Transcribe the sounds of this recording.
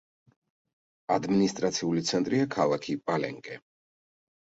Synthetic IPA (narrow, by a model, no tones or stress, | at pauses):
ad̪minist̪ʼɾat̪sʰiulit̪sʰɛnt̪ʼɾiakʰalˠakʰipʼalɛ̰ŋkʼɛ